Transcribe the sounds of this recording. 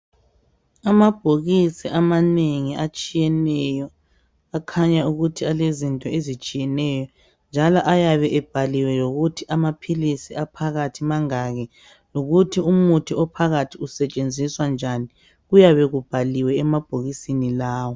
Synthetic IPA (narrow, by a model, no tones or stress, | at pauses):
amab̥ʱoɣisiʔamaneŋiat͡ʃʼijɛnɛjɔ | akʰaɲauɣutʰialezintʼɔezit͡ʃʼijɛnɛjɔ | nd͡ʒʱalɔʔajaβɛʔɛb̥ʱaliwɛjoɣutʰiʔamapʰilisiapʰaɣatʰimaŋaɣɛ | loɣutʰiumutʰiɔpʰaɣatʰiusɛt͡ʃʼend͡zʱiswand͡ʒʱani | ɣujaβɛɣub̥ʱaliwɛɛmab̥ʱoɣisinilaːwɔ